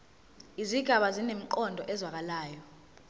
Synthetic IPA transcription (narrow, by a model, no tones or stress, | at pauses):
iziɡ̥ʱaɓazinem̩ǃɔndʱɔʔɛzwak̬alaːjɔ